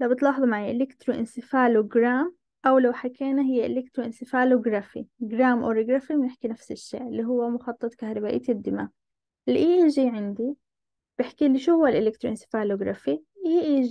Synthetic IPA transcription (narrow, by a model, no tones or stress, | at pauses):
lawbɪt̪lɑːħðˤmaʕiʔɪlɪkt̪ɾuʔɪnsɪfaːloɡɾaːm | ʔawlawħakʰeːnaɦɪjːaʔɪ̰lek̚t̪ɾuʔɪnsɪfaːloɡɾafḭɡɾaːmʔo̰ɾiɡɾɑːfimnɪħkinafsɪʃːḛːɾɪlːiɦʊwːamʊxɑt̪ˤːɨt̪ˤkahɾˤɑbaːʔḭːt̪ɪd̪ːɪmaː | ɪlʔiːʔʒiːʕɪnd̪i | b̥ɪħkiliʃuhʊːalʔɪlɪk̚t̪ɾuʔɪnsɪ̥faːloɡɾˤɑfiʔhiʔiː